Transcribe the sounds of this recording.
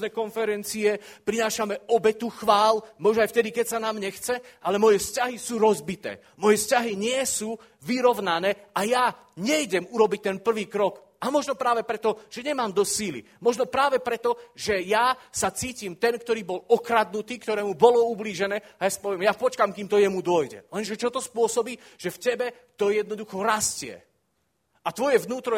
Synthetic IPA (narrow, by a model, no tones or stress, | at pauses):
nɛkɔnfɛɾɛnt͡siɛpɾinaːʃamɛɔbɛt̪uxʋaːlmɔʒnɔajft̪ɛd̪ikɛcsanaːmɲɛxt͡sɛʔalɛmɔjɛfscaɦisuːɾɔzbit̪ɛ̰ː | mɔjɛfscaɦiɲɪɛsuː | ʋiɾɔʋnanɛːaja | ɲɛjɟɛmuɾɔbic̚t̪ɛnpr̩ʋiːkɾɔk | amɔʒnɔpɾaːʋɛpɾɛt̪ɔʒ̥ɛɲɛmaːmd̪ɔsiːlḭ | mɔʒnɔpɾaːʋɛpɾɛt̪ɔʒɛjasat͡siːcimt̪ɛnkt̪ɔɾiːbɔlɔkɾad̪̚nut̪iːkt̪ɔɾɛːmubɔlɔubliːʒɛnɛːajasḁpɔʋɪɛmjapɔt͡ʃkamkiːmt̪ɔjɛmud̪ʊɔjɟɛ̰lɛnʒɛt͡ʃɔt̪ɔspʊɔsɔbiː | ʒ̥ɛfcɛbɛ | t̪ɔjɛd̪nɔd̪uxɔɾascɪɛ̰ | at̪ʋɔjɛvnuːt̪ɾɔ